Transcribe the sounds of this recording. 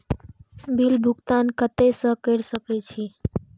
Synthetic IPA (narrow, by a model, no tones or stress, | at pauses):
bilbʱuɡt̪ankət̪esə̃kəɾsəkɛt͡ʃʰi